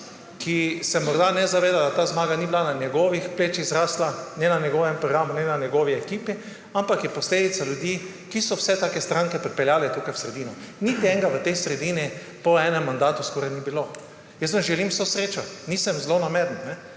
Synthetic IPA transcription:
kʰisɛmɔɾd̪anɛzaʋeːd̪ad̪at̪aːzmaːɡanibilananjɛɡɔːʋixpleːt͡ʃiɣzɾaːslanɛnanɛɡɔʋɛmpɾɔɡɾaːmunɛnanjɛɡɔːʋiɛkiːpi | ampakjɛpɔsleːd̪it̪saljud̪ji | kisɔwsɛt̪aːkɛst̪ɾãŋkɛpɾɛt̪pɛljaːlɛt̪ukajwsɾɛd̪iːnɔnit̪iɛŋɡaʋət̪ɛjsɾɛd̪ini | pɔɛːnɛmːand̪aːt̪uskɔːɾajnibilo | jəsʋənʒɛlimwsosɾeːt͡ʃat̪nisəmzlonamɛd̪n̩nɛ

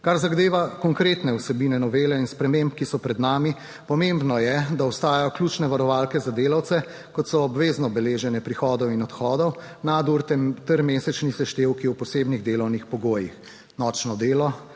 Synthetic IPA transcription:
kaɾzaɣd̪eːʋakɔŋkɾeːt̪nɛwsɛbiːnɛnɔʋeːlɛinspɾɛmempkisɔpɾɛd̪naːmi | pɔmembnɔjɛd̪aɔst̪aːjajɔklʲuːt͡ʃnɛʋaɾɔʋaːlkɛzad̪eːlawt̪sɛ | kɔt̪sɔːbʋeːznɔbɛleːʒɛnɛpɾixɔːd̪ɔwinɔt̪xɔːd̪ɔw | nad̪uɾt̪ɛmt̪əɾmeːsɛt͡ʃnisɛʃt̪eːwkiwpɔseːbniɣd̪eːlɔwnixpɔɡoːjix | nɔːt͡ʃnɔd̪eːlɔ

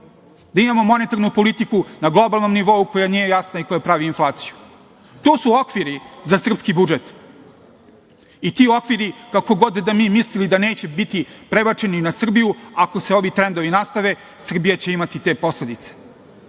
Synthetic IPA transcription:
d̪aimamo̞mo̞net̪aɾnupo̞lit̪ikunaɡlˠo̞balˠno̞mniʋo̞uko̞janije̞jasnaiko̞japɾaʋiːnflˠaːt̪siju | t̪oːsuo̞kʋiɾizasr̩pskibud͡ʒet̪ | it̪iːo̞kʋiɾikako̞ɡo̞d̪d̪amiːmislilid̪aneːt͡ɕebit̪ipɾebat͡ʂe̞ninasr̩bijuako̞seo̞ʋit̪ɾend̪o̞ʋinast̪aʋe̞ | sr̩bijat͡ɕe̞imat̪it̪e̞ːpo̞sle̞d̪it̪se̥

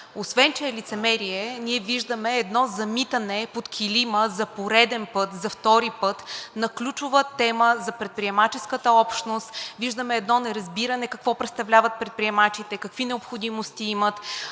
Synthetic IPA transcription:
osvɛnt͡ʃɛːlit̪sɛmɛɾiɛniɛviʒd̪əmɛːd̪nɔzɐmit̪ɐnɛpot̪kʲʰiliməzɐpoɾɛd̪ɛnpɤt̪zɐft̪ɔɾipɤt̪nɐklʲut͡ʃʊvət̪ɛməzɐpɾɛt̪̚pɾiɛmat͡ʃɛskət̪əɔpʃt̪nost̪viʒd̪əmɛːd̪nɔnɛɾɐzbiɾɐnɛkɐkvɔpɾɛt̪st̪ɐvlʲavət̪̚pɾɛt̪̚pɾiɛmat͡ʃit̪ɛkɐkvinɛopxod̪imost̪iimət̪

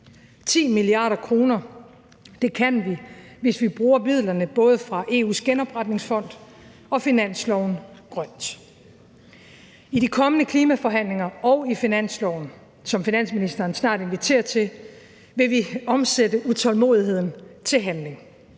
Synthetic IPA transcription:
t͡sʰḭːmiliɑ̰̈ːɾ̥ɐkʰʁo̝ːnɐ | d̥e̝kʰænʋiʋe̝sʋib̥ʁuːɐmið̰ˠlɐnəb̥ɔ̽ːð̞ˠəfʁɑ̈ʔe̝ːṵːsɡ̥enɒ̽b̥ʁad̥ne̝ŋsfɒ̽n̰d̥ | ɒ̽finæn̰slɒʊnɡ̥ʁɶn̰d̥ | iɾikʰɒ̽mənəkʰliːmæfɒ̽ɦæn̰le̝ŋɐɒʊifinæn̰slɒʊn | sɒ̽mfinæn̰sminisd̥ɐːnsnɑ̰̈ːd̥e̝nʋit͡sʰe̝̰ːɐt͡sʰe̝ | ʋe̝ʋiɒ̽msedəʔut͡sʰɒ̽lmo̝̰ːð̞ˠiɦe̝ð̞̰ˠn̩t͡sʰe̝lɦænle̝ŋ

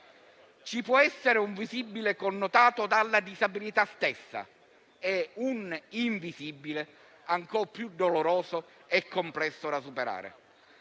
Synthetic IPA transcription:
t͡ʃipwɔɛsːeɾeuɱvizibːilekonːot̪aːt̪od̪alːad̪izabilit̪ast̪esːa̰ | euniɱvizibːile | aŋkɔrpjud̪ːoloɾɔːzoɛkːomplɛsːod̪as̬upeɾa̰ːɾḛ

